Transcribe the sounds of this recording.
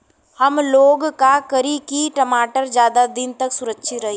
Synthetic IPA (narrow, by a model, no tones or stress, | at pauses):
hɐmloːɡkakɐɾikiʈɐmaːʈəɾd͡ʒjaːd̪ad̪ɪnt̪ɐksʊɾəkːʃʰiɾɐɦi